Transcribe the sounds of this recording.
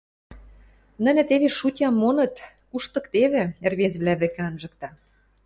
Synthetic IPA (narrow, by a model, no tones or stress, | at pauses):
nə̆nʲɘ̆t̪eβeʃutʲɑmːonɤ̆t̪ | kuʃt̪ɤ̆kt̪eβĕerβezβlæβɘ̆kĕɑnʒɤ̆k̚t̪ɑ